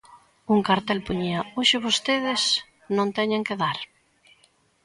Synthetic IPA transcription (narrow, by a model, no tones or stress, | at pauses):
uŋkaɾt̪ɛlpuɲiaoʃɪβost̪eðɪs | nõnt̪ɛɲeŋkeðaɾ